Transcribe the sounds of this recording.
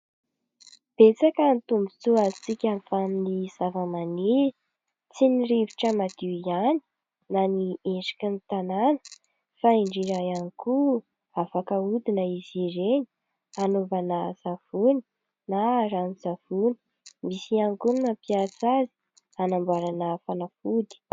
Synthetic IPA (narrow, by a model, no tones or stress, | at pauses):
b̥et͡sakənt̪umbi̥t͡suazit͡sikʲamfaniniz̥avamani | t͡siniriviʈ͡ʂəmad̪̥iiani̥ | nanieʈ͡ʂi̥kənit̪ananə̥ | faiɳɖ͡ʐiɾajaniku | afakəud̪inəiziɾeɲi̥ | anovanaz̥av̥uni̥ | naɾanizav̥uni̥ | misianikunapiasazi̥ | anambwaɾanəfanafud̪i̥